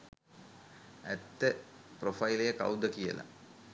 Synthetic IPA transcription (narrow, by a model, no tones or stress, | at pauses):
ɛt̪ːeprofɐjlejɐkɐ̰wd̪ɐkijɐ̰lɐ̰